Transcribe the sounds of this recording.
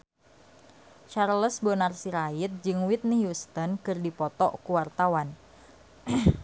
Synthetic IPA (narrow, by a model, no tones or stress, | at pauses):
t͡ʃarləsbonarsiɾaɪt̪̚d͡ʒɨŋwit̪̚niɦjust̪ənkɨrdipɔt̪ɔʔkuwart̪awan